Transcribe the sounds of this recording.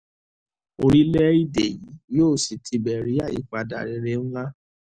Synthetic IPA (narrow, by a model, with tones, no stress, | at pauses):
o˧ɾi˦lɛ˦i˦de˨ji˨˦joː˦˨si˨tʰi˧bɛ˨ɾi˨˦a˦˨jḭ˨˦k͡pa˨da̰˨ɾɛ˧ɾe˧˦ñ̩˦la˦